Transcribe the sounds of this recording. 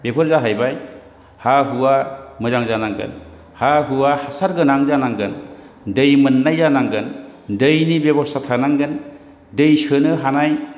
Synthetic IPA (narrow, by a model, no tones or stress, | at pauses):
bebɯɾzaɦajbaj | haɦuwamɯzaŋzanaŋɡɯ̰n | haɦuwahasaɾɡɯnaŋzanaŋɡɯn | dɯjmɯnːajzanaŋɡɯndɯjnibebɔstʰatʰanaŋɡɯn | dɯjsɯnɯɦanaj